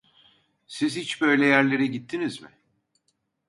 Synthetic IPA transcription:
sizhit͡ʃbø̞jlʲɛjæɾlʲe̞ɾɛɟit̪ʰːinizmɪ̰

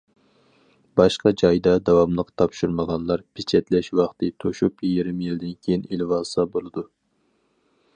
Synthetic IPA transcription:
bɑʃqɑd͡ʒɑjd̪ɑd̪ɑwɑmlˠəqt̪ʰɑpʃuɾməʁɑnlˠɑɾpʰɪt͡ʃʰɛt̪lɛʃwɑχt̪ʰɨt̪ʰoʃupjeɾɪmjild̪ɪnkʲʰejinilvɑsɑbolˠɨd̪u

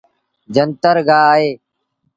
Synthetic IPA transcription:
d͡ʒənt̪əɾɡaːɦeː

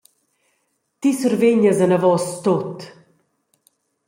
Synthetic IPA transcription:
t̪isuɾveɲəzɐnɐvɔst̪ot̪

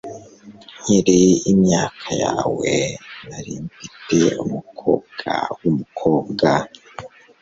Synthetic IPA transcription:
hiɾiimɲaːkʰajaːwenaɾiːɱvitʰeumukʰo̰ːb̚ɡ̥a̰wumukʰo̞ːbɡa

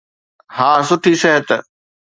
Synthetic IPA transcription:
haːsʊʈʰisɛɦət̪

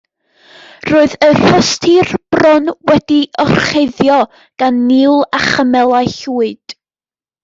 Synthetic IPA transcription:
roːɨðəɬɔstʰirb̥rɔnwɛdiɔrχejðjɔ | ɡ̥anːilˠaχəmɛlˠajɬuːɨd̥

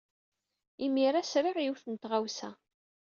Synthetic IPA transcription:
imiɾæsɾiʁjuwθənt̪ʁawsæ̰

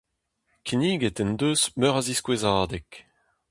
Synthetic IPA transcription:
kʰiniːɡet̪ɛnd̪øːsmœʁaziskwezaːd̪ɛk

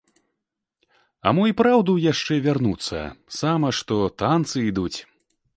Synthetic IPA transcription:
a̰mɔipɾawd̪ujaʂt͡ʂɛvʲarnut̪sːɐ̰samɐʂt̪ɔt̪ant̪sɨid̪ut͡sʲ

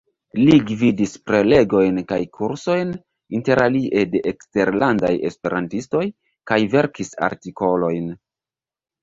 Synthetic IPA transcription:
liɡvidispɾe̞le̞ɡo̞jnkajkʰuɾso̞jn | inte̞ɾaliʔe̞de̞ʔekste̞ɾlanda̰je̞̰spe̞ɾantisto̞j | kajve̞ɾkisa̰ɾtiko̞lo̞jn

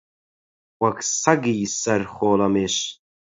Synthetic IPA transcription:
wɐksɐɡiːsɐɾχoːlɐmeɕ

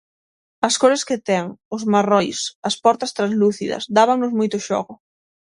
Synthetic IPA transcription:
ɐskoɾɪskɪt̪ɛŋʊzmarɔjsɐspɔɾt̪ɐst̪ɾazluθiðɐ̰zd̪aβaŋnʊzmojt̪ʊʃɔ̰ɣʊ

